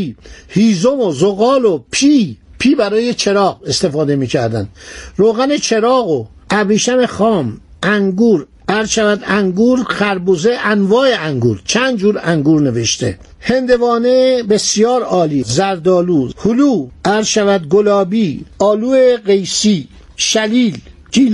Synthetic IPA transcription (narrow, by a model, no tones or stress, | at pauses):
ihiːzomozoɣɒːlopʰiːpʰiːbæɾɒːje̞t͡ʃʰe̞ɾɒːɣe̞st̪e̞fɒːd̪e̞miːkcʰæɾd̪ænd̪̥ɾoːɣæne̞t͡ʃʰe̞ɾɒːɣo | æbɾiːʃæme̞χɒːm | æŋɡuːɾ | æɾzʃævæd̪æŋɡuːɾxæɾbuzeʔænvɒːeæŋɡṵːɾt͡ʃʰænd̪d͡ʒuːɾæŋɡuːɾne̞ve̞ʃt̪ʰe̞̰ | he̞nd̪e̞vɒːnebe̞sijɒːɾɒːliːzæɾd̪ɒːluːhuluːʔæɾzʃævæd̪ɡolɒːbiːɒːluːeɢejsiː | ʃæliːlcʰiː